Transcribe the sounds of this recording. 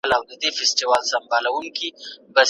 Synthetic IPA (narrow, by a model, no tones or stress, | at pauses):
lawd̪əd̪efɪsʈiwɑlsambɑlawuŋkiba